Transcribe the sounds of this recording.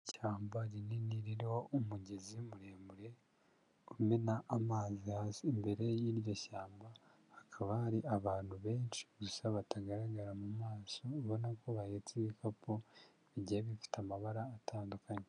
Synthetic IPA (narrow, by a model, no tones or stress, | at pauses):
caːmbaɾininiɾiɾiho̞umuɟe̞zimuɾe̞ːmuɾe̞ | umenaʔːmaːzihasimbe̞ɾe̞jiːɾjo̞çaːmba | hːkʰaβahaɾiʔaβaːn̥huβe̞ːnʃi̥ɡusaβataɡaɾaɡaɾamumaːsoːβo̞nakoβajet͡siβikako̞ | iɟieβifi̥tamaβaɾaːtʰaːndukʰaɲe